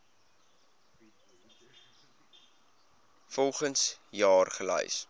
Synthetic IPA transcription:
fɔlˠχənsjɑːrχəlɛ̰js

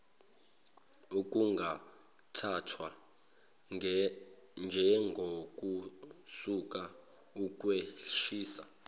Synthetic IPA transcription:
uk̬ʼuŋɡʱa | tʰatʰwa | nd͡ʒʱɛŋɡʱokʼusuk̬ʼa | ukʼweʃiːsa̰

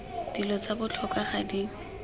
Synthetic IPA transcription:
d̥ilɔt͡sabʊt͡ɬʰɔkʼaχadiŋ̩

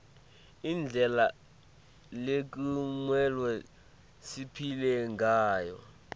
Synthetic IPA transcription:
ind͡ɮʱɛla | lek̬ʼimwɛlwɛ | sipʰilɛŋɡʱaːjɔ̰

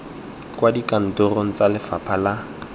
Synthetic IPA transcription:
kwadikʼan̩tʊroŋ̩t͡salɪfapʰala

